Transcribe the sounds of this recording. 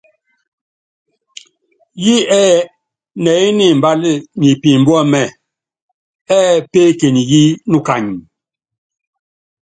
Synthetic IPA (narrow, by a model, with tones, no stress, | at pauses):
ji˦ɛː˦ | nɛ˨i˦ni˨m˨ba˦li˦ɲi˨pi˨m̩˨bɔ˦mɛ˨ | ɛ˦peː˦ke˨ni˨ɣi˦nu˦ka˨ɲi˨